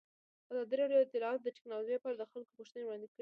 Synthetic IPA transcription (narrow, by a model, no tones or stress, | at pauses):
azɑd̪iɾɑɖjoɪt̪ɪlɑɑt̪d̪əʈɪ̥knɑloʒepɑɾad̪əxalkopuʃt̪ənewɽɑnd̪ekəɽ